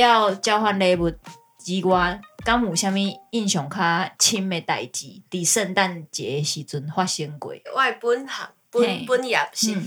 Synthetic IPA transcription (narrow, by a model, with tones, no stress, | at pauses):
ja˥˧˨wt͡ɕja˧˦ʊhwa˧nle˧bu˨˩t̪̚ | d͡ʑi˧ɡwa˧ka˦mu˨˩ɕja˧mĩ˦i˥˧˨nɕjɔ˨˩ŋkʰa˦t͡ɕʰi˦me˧t̪a̰˨jt͡ɕi˨˦t̪i˨˩sə˥˧nt̪a˥˨nt͡ɕɛ˨˩e˨˧ɕi˧t͡su˧nhwa˥˧ɕə˧˦ŋkwḛ˨˦wʔa˥˧jpu˦nha̰˨˦ŋpu˦n˨pu˦nja˨˩mɕi˧˩